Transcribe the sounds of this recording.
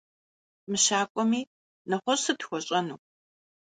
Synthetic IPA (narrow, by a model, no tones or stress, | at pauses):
mɨɕaːkʷʼɔmiː | nɐχʷɔsɨtxʷɔɕʼɐnṵː